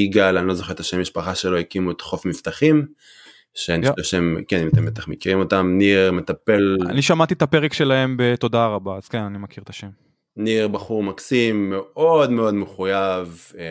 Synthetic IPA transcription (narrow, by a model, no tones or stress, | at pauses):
iɡalanilo̞zoχeʁt̪aʃemːiʃpaχaʃelo̞ikimuet̪χo̞fmift̪aχim | ʃeaniʃeemkenimat̪embet̪aχmekiʁimo̞t̪amniʁme̞t̪ape̞la̰niʃamat̪it̪apeʁekʃe̞lae̞mbe̞t̪o̞d̪aʁabaːz̥kenanimakiʁt̪aʃem | niʁbaχuʁmaksimːeo̞d̪meo̞d̪meχujav